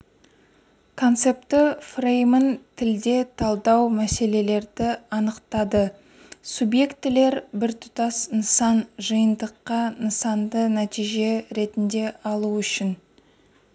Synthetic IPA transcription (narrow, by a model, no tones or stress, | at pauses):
kʰo̞nt̪se̞p̚t̪ɪfrejmənt̪ʰɪld̪e̞t̪ʰɑlˠd̪ɑwmæse̞le̞le̞ɾd̪ɪɑnəqt̪ɑd̪ə | subje̞kt̪ːɪle̞ɾbɪɾt̪ʰʊ̥t̪ɑsnəsɑnʒəjənd̪əqːɑnəsɑnd̪ənæt̪ijʒe̞ɾe̞t̪ɪnd̪e̞ɑlˠuʏʃɪn